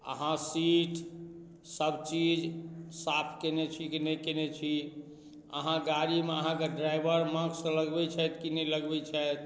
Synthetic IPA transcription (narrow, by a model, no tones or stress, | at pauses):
ə̰ɦãsiʈ | səbt͡ʃid͡ʒsapʰkenet͡ʃʰikinɛkenet͡ʃʰi | ə̰ɦãɡaɾimeəɦãkeɖɾajbəɾmãɡsə̃ləɡbɛt͡ʃʰɛt̪kinɛləɡbɛt͡ʃʰɛt̪